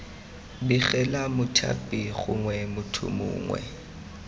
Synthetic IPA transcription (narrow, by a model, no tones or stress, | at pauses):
biɣɛlamʊtʰa̰pʼiχʊŋwɛmʊtʰʊ̰mʊ̰ːŋwɛ̰